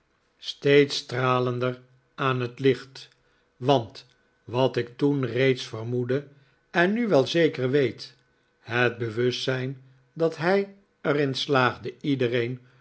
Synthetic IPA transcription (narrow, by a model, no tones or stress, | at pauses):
stejtstraːləndər | aːnɦətlɪχt | ʋɑnt | ʋɑtɪktunrejtsfərmudə | ɛnːyʋɛlˠzejkərʋejt | ɦəd̚bəʋɵstsɛjn | dɑtɦɛj | ərɪnslaːχdəidərejn